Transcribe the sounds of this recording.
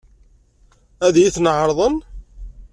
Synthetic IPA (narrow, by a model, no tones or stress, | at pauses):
æðjiθnʕɾˤðˤən